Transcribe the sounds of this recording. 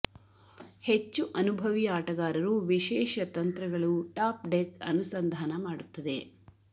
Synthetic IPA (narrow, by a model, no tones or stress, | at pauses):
het͡ʃːuʔɐnubʱɐʋiaːʈɐɡaːɾɐɾuʋiʃɛːʃɐt̪ɐnt̪ɾɐɡɐɭuʈaːpɖekɐ̰nusɐnd̪ʱaːnɐmaːɽut̪ːɐd̪e̞